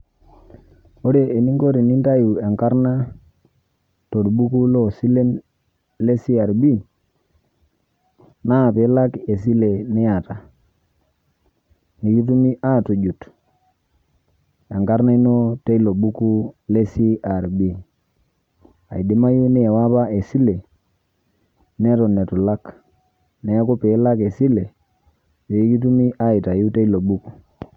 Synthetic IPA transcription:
o˦ɾe˦˨e˨ni˦ŋɡo˦ɾi˨ni˦nta˦ju˨a˨ŋka˦ɾna˦ | to˨dbu˦ku˦lo˦si˦le˦n | le˦si˦a˨ɾbi˦˨ŋ | na˦˨pe˨˦la˦ke˨s̬i˦le˨ni˦a˨ta˨ | ni˨ki˦tu˦mi˦ʔa˦˨to˨d͡ʒu˨t | ja˨ŋɡa˦ɾna˦i˦no˦te˦i˦lo˨bu˦ku˦le˦si˦ʔa˨ɾbi˦ŋ | a̰˨i˨di˦ma˦ju˦nɪ˦ɛ˨wa˦pa˦e˨si˦le˨ | nɛ˦tɔ˨nɛ˨tu˨la˦k | nɛ˨˦ku˦pe˨˦la˦ke˨si˦le˨ | pe˨˦ki˦t̬u˦mi˦ʔa˦i˨ta˨ju˦te˦i˦lo˨bu˦ku˨

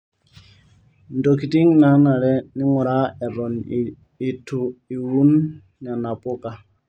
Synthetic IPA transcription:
ndo˨ki˨ti˦ŋna˨ha˦na˨ɾɛ˦ni˦ŋɔ˨ɾa˦ɛ˨ɾɔ˨n˨ | i˨tʰu˨i˨wu˦n | ɲa˨na˨pɔ˦ka˨

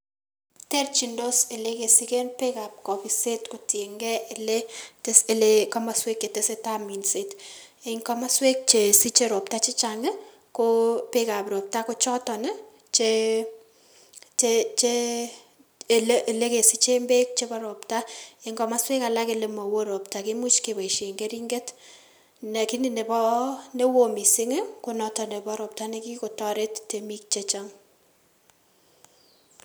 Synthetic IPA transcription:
te˦rt͡ʃi˨ndo˦se˨le˦ke˨si˦ke˦npe˦ka˨p̚kɔ˨pi˨se˦tko˨te˨ŋɡɛ˦e˨le˦te˦se˨lekɔ˦ma˨swe˦kːe˨te˦se˦ta˦mi˨nse˦tɪŋkɔ˦ma˦swe˦k̚t͡ʃe˨si˦t͡ʃe˦ɾɔ˨p̚ta˦t͡ʃɪ˦t͡ʃa˨ŋ˦ | ko˦pɪ˦ka˨pɾɔ˨p̚ta˦kʊ˦t͡ʃɔ˦tɔ˨nɛ˦ | t͡ʃe | t͡ʃet͡ʃe | lle˦ke˨si˦t͡ʃe˦mbe˦k̚t͡ʃepɔ˦ɾo˨pta˦e˦ŋɡɔ˨ma˦spe˦ka˨la˦ke˨le˨mɔ˨wo˦ɾo˨pta˨ki˦mu˦t͡ʃke˨ba˨i˨ʃe˨ŋɡe˦ɾi˦ŋɡe˦t | nɛ˨ki˦ni˨ne˨pɔ˦ne˦wo˨mi˨sɪ˦ŋɪ˦ko˦nɔtɔ˨ne˨bɔ˦ɾɔ˨p̚ta˦ne˦ki˦ko˨tɔ˦ɾe˦tte˨mi˦k̚t͡ʃet͡ʃaŋ

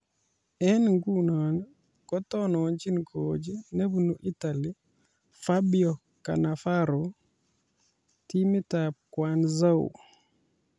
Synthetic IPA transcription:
ɛ˦nŋɡu˦nɔ˨n | kɔ˦tɔ˦nɔ˨nt͡ʃi˦nkʰod͡ʒi˦ne˦βu˨nu˨ʔi˦ta˨li˦ | fabiɔ˨ | ka̰˨na˨fa˦ɾo | ti˦mi˦tap̚kwanza˦ṵ

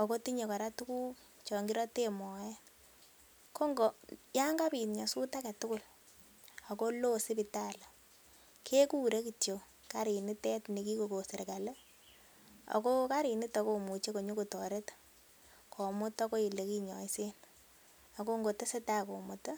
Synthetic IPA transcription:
o˨ko˦ti˦ɲe˨ka˨ɾa˦tu˦ku˦k | t͡ʃɔ˨ŋɡi˦ɾɔ˦te˦mɔ˨jɛ˦ | ko˦ŋɡo˨ja˦ŋɡa˦pi˨nɲa˨su˦ta˦ke˨tʊ˦kʊ˦˨l | a˨ko˦lo˦si˦pita˦la˨ | kʰe˦ku˦ɾe˦ki˨tjo˨ | ka˦ɾi˨ni˦tɛ˦tni˨ki˦ko˨ko˨se˨ɾka˨le˦ | o̰˨ko˦ka˦ɾi˨ni˦tɔ˦ko˦mu˨t͡ʃe˦ko˨ɲu˦ku˨tɔ˨ɾe˦t | kʰɔ˨mʊ˦tɔ˦ko˦i˨le˨ki˦ɲɔ˨i˦se˦n | a˨ko˦ŋɡo˨te˦se˦ta˦ko˨mu˨ta˦

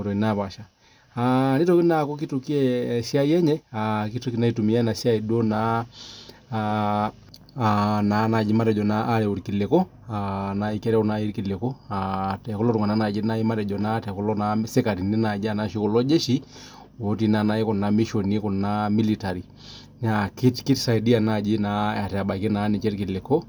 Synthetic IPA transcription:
o˨ɾɔ˨i˨naβa˨ʃa˨ | ani˦to˦ki˦na˨kɔ˦k̬i˦tu˨ki˦ɛʃja˦i˦ɛ˦ɲɛ˦aki˦to˦kina˦i˦tu˨mi˨a˦na˨ʃja˦i˨dwo˦na | na˨˦na˨d͡ʒi˦ma˦ɾɛ˨d͡ʒɔ˨naː˦ɾɛ˨u˨ɾiki˨le˨kɔ˦ | ana˨i˦kɛ˦ɾɛ˦u˦na˦i˦ɾi˦ki˨le˨kɔ˦atɛ˨kɔ˦lɔ˦tu˨ŋa˨na˦na˨d͡ʒi˦na˦i˦ma˦ɾɛ˨d͡ʒɔ˨na˦tɛ˨kɔ˦lɔ˦na˦se˦ka˨ɾi˨ni˦na˨d͡ʒi˦a˨na˦ʃi˦kɔ˨lɔ˦d͡ʒe˦ʃi˦ | wo˨˦ti˨na˨na˦i˦kɔ˨na˦mi˦ʃo˨ni˦kɔ˨na˦mi˦li˨ta˨ɾi˨ | na˨ki˦tki˦tsa˨idi˦a˨na˦˨d͡ʒi˦na˦a˨tɛ˨a˨ba˨ke˦na˨˦ni˨t͡ʃɛ˦ɾki˨le˨kɔ˦

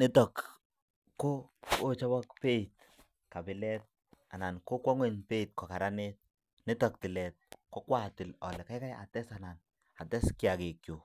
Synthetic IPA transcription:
nɪ˦tɔ˨kː | oː˦t͡ʃɔ˦bɔ˦kpe˦i˨t̚ | ka˨bɪ˨lɛ˦t̚ | a˨na˨nko˦kwɔ˦ŋwɛ˨ɲpe˦i˨t̚kɔ˨ka˨ɾa˦ne˦t̚ | nɪ˦tɔ˨k̚tɪ˨lɛ˨t̚kɔ˦kwa˦tɪ˨lɔ˨lɛ˨ka˦ka˦ja̰˨tɛ˦sa˨na˨n | a˨tɛ˦skja˨ke˨kjo˨

